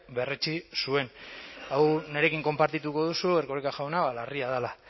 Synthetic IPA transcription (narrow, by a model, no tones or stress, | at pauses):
be̞ret͡ʃisue̞nawne̞ɾe̞kiŋko̞mpaɾt̪it̪uko̞ðusueɾkoɾikaʝawnaβalariaðala